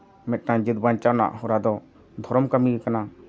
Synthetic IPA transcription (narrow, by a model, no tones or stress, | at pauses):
mɛt̪̚ˀkãd͡ʒit̪bant͡ʃawna̰ʔɦɔɾad̪ɔ | d̪ʱɔɾɔmkamikana